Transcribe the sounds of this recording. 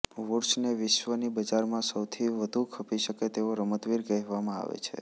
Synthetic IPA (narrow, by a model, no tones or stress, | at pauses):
ʋuɾsneʋɪʃʋənibəd͡ʒaɾmãsəwt̪ʰiʋəd̪ʱukʰəpiʃəket̪eoɾəmət̪ʋiɾkəɦʋamãa̰ʋḛt͡ʃʰḛ